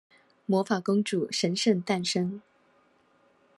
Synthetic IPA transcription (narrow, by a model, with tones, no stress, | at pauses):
mwɔ˧˥fa˨˩kʊ˥ŋʈ͡ʂu˨˩ʂə˧˥nʂə˥˧ŋt̪a˥˩nʂɤ˥ŋ